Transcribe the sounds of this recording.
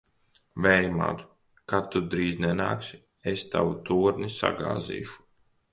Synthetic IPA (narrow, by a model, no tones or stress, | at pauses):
vɛjma̰ːt̪u̥ | kat̪ːud̪ɾiːznɛna̰ːksi | est̪a̰wut̪uːɾnisa̰ɡa̰ːzḭːʃu̥